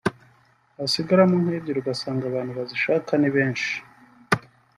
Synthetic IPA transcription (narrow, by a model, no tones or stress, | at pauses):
asiɡaɾamunheːbɟeɾuɡasaːŋɡaβaːn̥huβaziʃaːkaniβeːnʃi̥